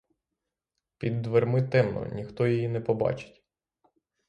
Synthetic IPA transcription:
pʲid̪ːʋermɪt̪ɛmnɔ̰nʲixt̪ɔjɔjinɛpɔbɑ̰t͡ʃɪ̥tʲ

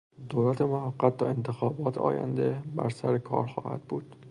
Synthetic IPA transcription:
d̪oːlæt̪ʰemohæɡːæt̪̚ʰːɒːe̞nt̪ʰexɒːbɒːt̪ʰɒ̰ːjæ̰nd̪ebæ̰ɾsæɾekʰɒ̰ːɾxɒ̰ːhæ̰d̪̥̚buːd̪̥

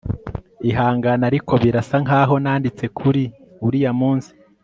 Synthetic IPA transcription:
iɦaːŋɡanaɾikʰo̞βiɾasaŋaːɦo̞naːndit͡se̞kʰuɾi | uɾijamuːnsi̥

